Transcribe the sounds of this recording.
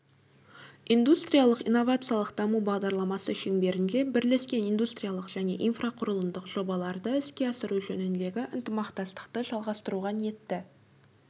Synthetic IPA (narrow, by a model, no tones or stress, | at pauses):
ind̪ust̪ɾijalˠəqijnːovat̪sɨjalˠəqd̪̥ɑmubɑʁd̪ɑɾlˠɑmɑsəʃe̞ŋbe̞ɾɪnd̪e̞bɪɾle̞skʲe̞nijnd̪ust̪ɾijalˠəqʒ̥æne̞̰ʔinfraqʰʊɾəlˠəmd̪əqʒ̥o̞bɑlˠɑɾd̪əɪskʲe̞ɑsəɾuʒɵnɪnd̪e̞ɡʲɪʔɪnt̪əmɑqt̪ɑst̪ə̥qt̪əʒɑlˠʁɑst̪əɾuʁɑnije̞t̪ːɪ